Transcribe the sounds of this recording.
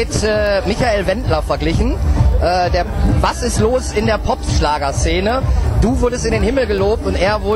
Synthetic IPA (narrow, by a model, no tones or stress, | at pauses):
ɪtɛːmɪçaeːlvɛntʰlɐfɛɐɡlɪçn̩ʔɛːdeːɐvasɪstloːsɪndeːɐpʰɔpʃlaːɡɐst͡seːnəd̥uːvʊɐɾəstɪndeːnhɪml̩ɡəloːp̚tʊntʔeːɐvʊɐ